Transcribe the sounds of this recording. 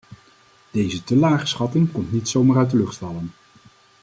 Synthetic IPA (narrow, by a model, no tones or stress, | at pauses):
d̥ejzətəlaːχə̥sχɑtɪŋkɔmtnitsowmaːrœɥtdəlɵχtfɑlən